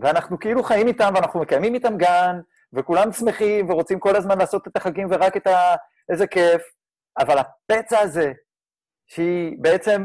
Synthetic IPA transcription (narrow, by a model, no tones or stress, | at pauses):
veanaχnukeiluχajimit̪amveanaχnume̞kajmimit̪amɡan | ve̞kulamsme̞χimve̞ʁo̞t͡simko̞lazmanlaːso̞t̪e̞t̪aχaɡimveʁake̞t̪a | ʔe̞ze̞ke̞f | avalhape̞t͡saːze̞ | ʃeibe̞e̞t͡se̞m